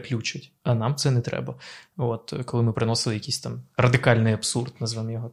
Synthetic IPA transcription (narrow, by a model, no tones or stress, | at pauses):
klʲut͡ʃɪtʲ | ɐnɑmt̪sɛnɛt̪ɾɛ̰bɐot̪kɔlˠɪmɪpɾɪnɔsɨlˠɪjɐkʲisʲt̪ɑmrɐd̪ɪkɑlʲnɪjɐpsurd̪nɐzʋɛnjɔɦɔ